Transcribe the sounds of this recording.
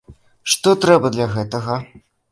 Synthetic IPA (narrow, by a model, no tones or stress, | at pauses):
ʂt̪ɔt̪ɾɛbɐd̪lʲɐɣɛt̪ɐɣɐ